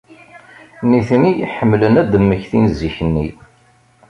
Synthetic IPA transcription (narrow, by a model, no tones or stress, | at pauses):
niθniħəmːlənæd̪əmːəçθinziçənːḭ